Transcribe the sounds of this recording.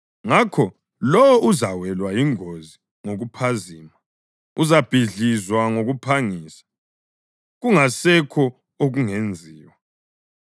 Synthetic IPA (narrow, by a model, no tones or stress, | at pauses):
ŋakʰɔ | lɔwɔʔuzawɛlwajiŋozi | ŋoɣupʰaziːma | uzab̥ʱiɮizwaŋoɣupʰaŋiːsḁ | ɣuŋasɛkʰɔ | oɣuŋend͡zʱiːwa